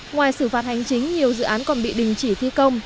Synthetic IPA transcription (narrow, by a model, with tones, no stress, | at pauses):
ŋwaː˨˩jsɨ˧˩faː˨˩t̚ha˨˩jŋ̟t͡ɕï˨˦ŋ̟ɲi˨˩əwzɨ̰˧˨ʔaː˨˦nkɔ˨˩nɓḭ˧˨ɗï˨˩ŋ̟t͡ɕi˧˩t̪ʰi˧kə˧wŋ͡m